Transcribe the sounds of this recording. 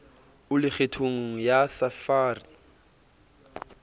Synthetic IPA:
ʊlɪk͡xʰetʰoŋ̩jasafaːrɪ

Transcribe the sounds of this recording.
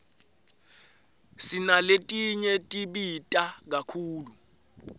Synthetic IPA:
sinaletʼiɲɛtʼiɓitʼak̬akʰuːlu

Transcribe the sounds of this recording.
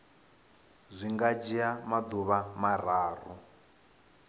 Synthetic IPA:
zʷiŋɡad͡ʒiamad̪uβamar̤aːr̤ṵ

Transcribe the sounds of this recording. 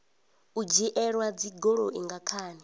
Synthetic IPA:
ud͡ʒiʔɛɺwad͡ziɡɔɺoʔiŋɡakʰaːni

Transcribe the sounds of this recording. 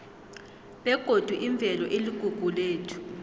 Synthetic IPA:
ɓɛɡ̥ʱod̥ʱwuʔiɱb̪vʱɛlɔʔeliɡ̥ʱuɡ̥ʱuleːtʰu̥

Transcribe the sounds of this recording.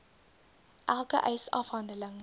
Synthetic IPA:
ʔælˠkə̰ʔɛjsɐ̰fɦɐndələŋ

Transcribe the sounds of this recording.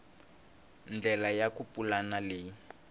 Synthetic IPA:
nd͡ɮʱɛlajakupʼulanaleːji

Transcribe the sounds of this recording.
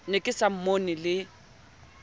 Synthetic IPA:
nɪkʼɪsam̩monɪlɪ

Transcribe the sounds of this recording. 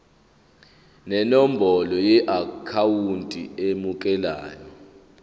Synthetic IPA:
nɛnɔm̩bʱɔlɔjɛʔakʰawuntʼḭemukʼɛla̰ːjɔ

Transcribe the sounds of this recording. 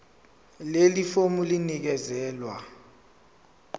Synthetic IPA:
lelifomulinik̬ɛzɛːlwa

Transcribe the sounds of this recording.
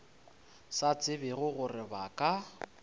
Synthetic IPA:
sat͡sʼɪbɪɣʊɣʊrɪbakʼa

